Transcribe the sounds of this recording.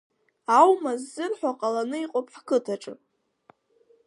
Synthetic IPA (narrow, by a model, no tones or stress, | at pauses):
awmazːɨrħʷᶣaqʼalanɨiqʼopħkɨtʰaʈ͡ʂʼɨ̰